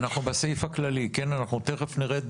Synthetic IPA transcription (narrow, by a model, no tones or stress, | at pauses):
naχnubesejfaklalikenanaχnut̪eχefniʁet̪̚